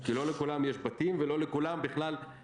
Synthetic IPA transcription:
kilo̞lekulamjeʃbat̪imvelo̞lekulambiχlal

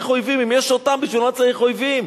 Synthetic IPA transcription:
χojvimimjeʃot̪ambiʃvilmat͡ssaiχojvim

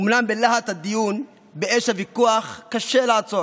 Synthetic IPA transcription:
umnambelahat̪had̪ijun | beeʃhavikuaχkaʃelaːt͡so̞

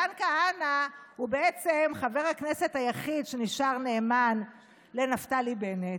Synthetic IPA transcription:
ankaanahubeet͡semχave̞ʁhaknese̞thajaχidʃeniʃaʁneːman | lenaftalibenet

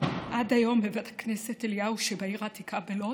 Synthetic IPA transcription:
ʔadajo̞mbevet̪ʰḁkneseteljauʃebaiʁaːt̪ikʰabelo

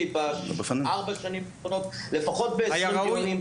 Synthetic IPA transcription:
ibabefaniaʁbaʃanimbonotle̞faχo̞t̚beajaunim

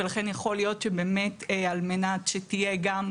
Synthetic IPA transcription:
elaχe̞njaχo̞lijo̞tt͡ʃʃebeːmetalmenatʃetije̞ɡam

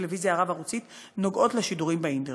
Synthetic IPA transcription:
levizjaːʁavaʁut͡sit | no̞ɡo̞tleʃiduʁimbeinte

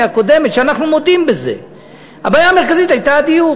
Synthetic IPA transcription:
ako̞d̪e̞met̪ʃeanaχnumo̞d̪imbeze̞̰ | a̰baːjaːmeʁkazit̪ajt̪ad̪iju

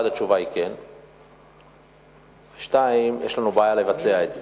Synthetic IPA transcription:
adat͡ʃuvaiken | veʃtaimjeʃlanubeajalevat͡se̞aeze

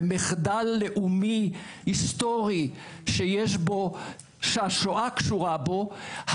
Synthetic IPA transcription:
meχd̪alːeʔumihist̪oʁi | ʃejeʃbo̞ | ʃaʃoʔakʃuʁabo̞h

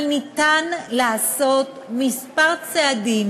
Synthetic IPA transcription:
lnit̪anlaːso̞t̪mispaʁt͡sead̪im

